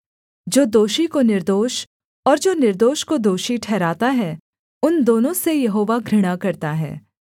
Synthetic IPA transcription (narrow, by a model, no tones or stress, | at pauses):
d͡ʒoːd̪oːʃikonɪɾd̪oːʃ | ɔːɾd͡ʒoːnɪɾd̪oːʃkod̪oːʃiʈʰɛːɾaːt̪aɦɛ | ʊnd̪oːnõsejɐɦoːʋaɡʱɾɪɽ̃akɐɾt̪aɦɛ̰ː